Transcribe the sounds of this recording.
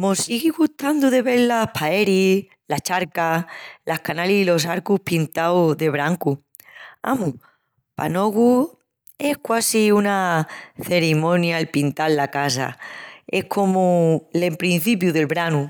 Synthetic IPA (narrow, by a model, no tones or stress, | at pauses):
mo̞siɣiɣuht̪and̪uðe̞βeɾlapʰae̞ɾi | lat͡ʃaɾkalahkanalisilo̞s̬aɾkuhpint̪awðe̞β̞ɾaŋku | a̰mu | pa̰no̞ɣu | e̞hkwasiunaθe̞ɾimõ̞njaelpint̪alːakasa̰e̞hkʰo̞mulempɾin̟θip̬juðe̞lβɾanu